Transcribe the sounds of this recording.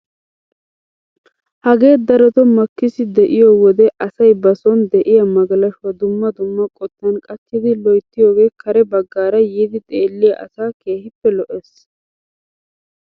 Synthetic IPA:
hɐɡe̞ːd̪ɐɾɔt̪ɔmɐkːɪsɪd̪ɛʔɪjɔwɔd̪ɛʔɐsɐjbɐsɔnd̪ɛʔɪjɐmɐɡɐlɐʃʊwɐd̪ʊmːɐd̪ʊmːɐkʼɔt̪ːɐnkʼɐt̪ːɪd̪ɪlɔjt̪ːɪjoːɡe̞ːkʰɐɾɛbɐɡːaːɾɐjiːd̪ɪt̪ʼeːlːɪjɐʔɐ̰saːke̞ːhɪpːɛlɔʔeːs

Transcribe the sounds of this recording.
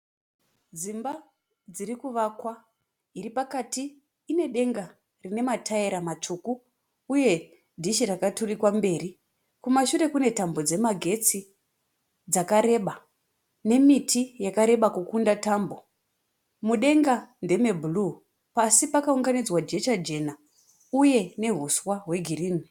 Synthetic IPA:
d͡zimba | d͡ziɾikuʋakwa | iripakatiː | ne̞ɗe̞ŋɡa | rine̞matʰaeɾamat͡ʂukuː | je̞ | dʱiʃirakaturikwambe̞ːri | kumaʃuɾe̞kune̞tambo̞d͡ze̞maɡʱe̞t͡si | d͡zakaɾe̞ɓa | ne̞mitʰijakaɾe̞ɓakukundatambo̞ | muɗe̞ŋɡande̞me̞bʱulu | pasipakauŋɡanid͡zwad͡ʒe̞t͡ʃad͡ʒe̞na | uje̞ne̞ɦuswaɦwe̞ɡʱiriːni

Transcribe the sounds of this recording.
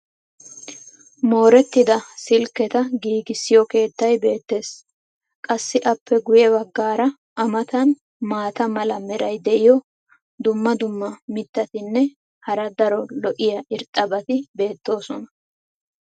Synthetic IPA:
mo̞ːɾɛt̪ːɪd̪ɐsɪlkːɛt̪ɐɡiːɡɪsːɪjɔke̞ːt̪ːɐjbe̞ːt̪ːe̞ːs | kʼɐsːɪʔɐpːɛɡʊjɛbɐɡːaːɾɐ | ɐmɐt̪ɐn | maːt̪ɐmɐlɐmɛɾɐjd̪ɛʔɪjɔ | d̪ʊmːɐd̪ʊmːɐmɪt̪ːɐt̪ɪnːɛ | hɐɾɐd̪ɐɾɔlɔʔɪjɐʔɪɾt̪ʼːɐbɐt̪ɪbe̞ːt̪ːo̞ːsɔnɐ

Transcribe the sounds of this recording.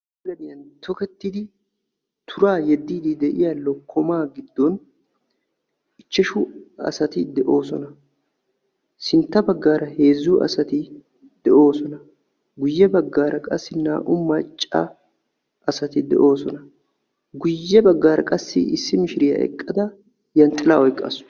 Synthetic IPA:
lɐd̪ɪjɐnt̪ʰɔkɛt̪ːɪd̪ɪ | t̪ʰʊɾaːjɛd̪ːiːd̪ɪd̪ɛʔɪjalːɔkʰɔmaːɡɪd̪ːɔn | ɪt͡ʃːɛʃʊɐ̰sɐt̪ɪd̪ɛʔo̞ːsɔnɐ | sɪnt̪ːɐbɐɡːaːɾɐhe̞ːzːʊʔɐ̰sɐt̪ɪ | d̪̥ɛʔo̞ːsɔnɐ | ɡʊjːɛbɐɡːaːɾɐkʼɐsːɪna̰ːʔʊmːɐt͡ʃʼːɐ̰ | ʔɐsɐt̪ɪd̪ɛ̰ʔo̞ːsɔnɐ | ɡʊjːɛbɐɡːaːɾɐkʼɐsːɪ̰ɪsːɪmɪʃɪɾɪjɐ̰ʔɛ̰kʼːɐd̪ɐ | jɐnt̪ʼːɪlaːʔɔjkʼːɐ̰sʊ̥

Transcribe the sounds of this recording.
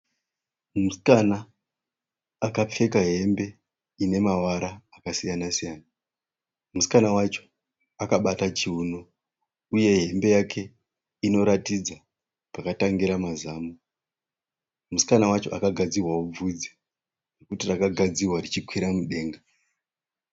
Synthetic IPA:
muskana | kap͡fe̞kaɦe̞mbe̞ | ine̞mawaɾaːkasijanasijana | musi̥kanawat͡ʃo̞ | akaɓatat͡ʃiuno | uje̞ɦe̞mbe̞jakʰe̞ | ino̞ɾatid͡za | pakataŋɡiɾamazaːmo | musi̥kanawat͡ʃo̞̰ʔakaɡʱad͡zirwawob͡vud͡zi | nekutirakaɡʱad͡ziwarit͡ʃikwiɾamuɗe̞ːŋɡa

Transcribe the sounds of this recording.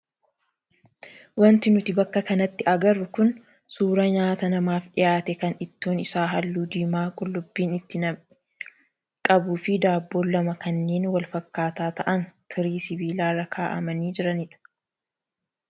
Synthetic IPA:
wɐnt̪ɪnʊt̪ɪbɐkːɐkɐnɐt̪ːɪʔɐɡɐrːʊkʊn | suːɾɐɲaːt̪ɐnɐmaːfɗɪjaːt̪ɛkɐnɪt̪ːoːnɪsaːɦɐlːuːd̪iːmaːkʼʊlːʊbːiːnɪt̪ːɪnɐm | kʼɐbuːfɪd̪aːbːoːlːɐmɐkɐnːe̞ːnwɐlfɐkːaːt̪aːt̪ɐʔɐnt̪ʰɪɾiːsɪbiːlaːrɐkʰaːʔɐ̰mɐniːd͡ʒɪɾɐnɪᶑɐ̥

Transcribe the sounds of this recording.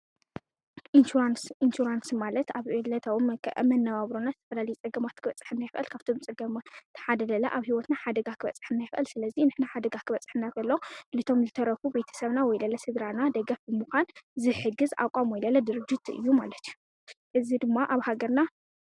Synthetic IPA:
ʔiansinʃuɾansmalɐt̪aβɨlɐt̪ʰaβomkʰʔmɐnːɐβaβɾonazɨt̪ʰɐ̥fɐlalɐjut͡sʼɐɡɐmat̪kʰɨβɐt͡sʼɨ̥ħɨnːajɪfʔɐ̰lkʰaβt̪ʰomt͡sʼɐɡɐmat̪ʰħad̪ɐlɐla̰ʔaβhiwɔt̪naħad̪ɐɡakʰɨβɐ̰t͡sʼːɨ̥ħɨnːajɪfʔɐ̰lsɨlɐzinɨħnaħad̪ɐɡakʰɨβɐt͡sʼɨ̥ħɨnak̪ɐlːɐolɨt̪ʰo̞mzɨt̪ʰɐɾɐfube̞t̪ʰɐ̥sɐβnawɔjlɐlɐsɨd̪ɾanad̪ɐɡɐfbɨmuxʷanzɨħɨɡɨza̰kʼamojlɐlɐd̪ɨɾɨd͡ʒut̪ɨ̰jːumalɐt̪ʰiju | ʔɨzid̪ɨmːaʔaβhaɡɐɾna

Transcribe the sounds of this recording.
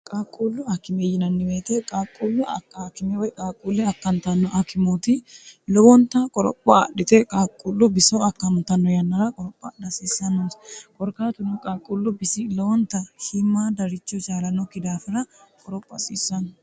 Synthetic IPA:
kʼaːkʼːuːlːʊɐkːɪmejɪnɐnːɪweːt̪ɛkʼaːkʼːuːlːɛɐakːɪmɛwɔjkʼaːkʼːuːlːɛɐkːɐnt̪ɐnːɔʔɐkʰɪmot̪ɪlɔwɔnt̪ɐkʼɔɾɔ̰pʼːɐ̰ɗɪt̪ɛkʼaːkʼːulːʊbɪsɔɐkːɐmt̪ɐnːɔjɐnːɐɾɐkʼɔɾɔpʼːɐɗɐsiːsːɐnːɔnskʼɔɾkaːt̪ʊnʊkʼaːkʼːulːʊbɪsɪlɔwɔnt̪ːɐhɪmːaːd̪ɐɾɪt͡ʃːɔt͡ʃʼaːlɐnːɔkɪd̪aːfɪɾɐkʼɔɾɔpʼːɐ̰sḭːsːɐnɔ

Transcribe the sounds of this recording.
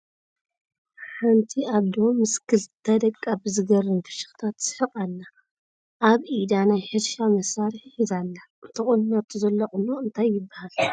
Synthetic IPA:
ħant̪ʰiaβd̪omɨskʰɨlt̪ʰɐd̪ɐkʼːabɨzɨɡɐɾɨnfɨ̥ʃɨ̥xt̪ʰat̪z̥ɨħɨqʼalːa | ʔaβʔid̪anajħɨlʃamɐsaɾɨħizalːa | t̪ʰɨχʼɨnnɐt̪ʰzɐlːɐχʼunoɨnt̪ʰajːɪbːahal

